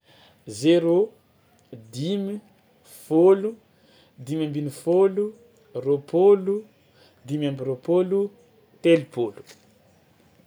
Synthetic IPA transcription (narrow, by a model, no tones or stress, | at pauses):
zeɾo | d̪imi | folu | d̪imambinifolu | ropʰolu | d̪imambiɾopolu | t̪elipolu̥